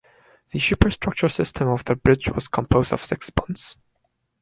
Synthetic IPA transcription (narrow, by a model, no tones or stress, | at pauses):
ðɨʃʉpə˞stɹ̥ʌk̚t͡ʃə˞sɪstʰə̃mɔvðəbɹɪd͡ʒwɔ̰z̥kʰə̃mpʰoʊzdʌ̰v̥sɪksbʌ̃nts